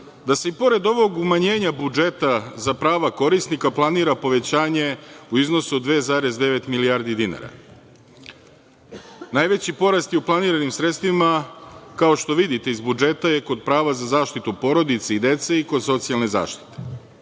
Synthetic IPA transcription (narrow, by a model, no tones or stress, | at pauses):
d̪ase̞ipo̞ɾe̞d̪o̞ʋo̞ɡumaɲe̞ːɲabud͡ʒe̞t̪azapɾaːʋako̞ɾisnikaplˠaniːɾapo̞ʋe̞t͡ɕaːɲe̞uizno̞suod̪ʋezaːɾe̞zd̪e̞ʋe̞t̪miliaɾd̪id̪ina̰ɾa̰ | najʋe̞t͡ɕipo̞ɾast̪jeuplˠaniːɾanimsɾet̪st̪ʋimakaoʃt̪o̞ʋid̪it̪e̞izbud͡ʒe̞t̪ajeko̞d̪̚pɾaːʋazazaːʃt̪it̪upo̞ɾo̞d̪it̪seid̪e̞t̪se̞iko̞d̪so̞t̪sialˠne̞za̰ːʃt̪i̥t̪e̥